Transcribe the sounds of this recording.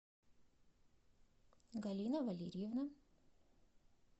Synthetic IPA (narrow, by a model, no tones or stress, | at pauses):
ɡɐlʲinɐvɐlʲeɾʲɪjevnɐ